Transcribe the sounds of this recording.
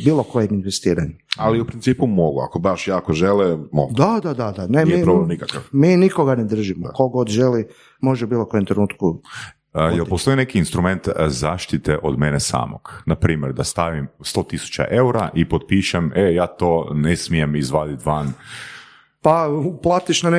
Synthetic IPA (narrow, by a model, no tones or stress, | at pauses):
biːlˠokojeminʋest̪iːɾaɲualˠiupɾint̪iːpumo̞ɡua̰kobaʃjaːkoʒelɛmo̰ɡd̪ad̪ad̪ad̪anenieiɾoblemnikakafmiːnikoɡaned̪r̩ʒimoko̞ɡo̞d̪ʒeli | mo̞ʒɛubiːlˠokojemt̪ɾenuːt̪ku | jelˠpost̪o̞jine̞kiːnst̪ɾume̞nt̪zaːʃt̪it̪eʔod̪menesa̰ːmo̰ɡ̥napɾiːmjeɾd̪ast̪aʋimst̪o̞ːt̪isu̥t͡ɕa̰ʔe̞uɾaʔipod̪̚piʃemejaːt̪o̞nesmie̞mizʋaːd̪it̪ʋan | pauplˠaːt̪iʃnane